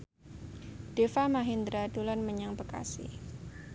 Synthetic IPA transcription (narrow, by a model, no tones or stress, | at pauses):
d̥efamaɦind̪ɾadulanməɲaŋbəka̰sḭ